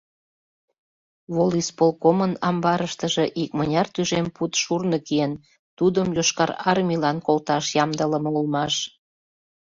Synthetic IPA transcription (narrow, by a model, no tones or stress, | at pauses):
βolispolkomənɑmbɑɾəʃt̪əʒeʔikmənʲɑrt̪yʒemput̪ʃurnəkien | t̪ud̪əmjoʃkɑɾɑrmʲilɑnkolt̪ɑʃjɑmd̪ələ̆mɤulmɑʃ